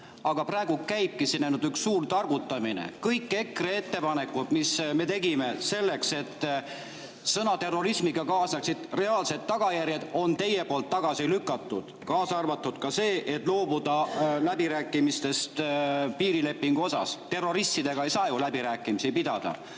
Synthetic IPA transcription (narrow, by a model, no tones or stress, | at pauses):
ɑɡ̥ɑpræeɡ̥ukæjb̚kisnæjnud̪yksːuːrt̪ɑrɡut̪ːˑɑminḛkɤjkːe̞kree̞t̪ːe̞pɑne̞kːud̪̥misme̞t̪e̞ɡime̞se̞lːe̞kse̞t̪ː | sɤnɑt̪e̞rːo̞ɾismiɡ̥ɑkɑːsɑksid̪̥re̞ɑːlse̞d̪ːɑɡ̥ɑjæɾjed̪̥o̞nt̪e̞je̞po̞ːlt̪ːɑɡ̥ɑsilykːˑɑt̪ːˑud̪̥kɑːsɑrvɑt̪ˑːud̪̥kɑse̞ːʔe̞t̪ːˑlo̞ːbud̪̥ɑlæbiɾæːkːˑimist̪e̞st̪piːɾile̞pːiŋɡ̥uo̞sɑ̰st̪e̞rːo̞ɾist̪id̪̥e̞ɡ̥ɑe̞jsɑːjulæbiɾæːkːˑimisipid̪̥ɑ̰d̪̥ɑ̰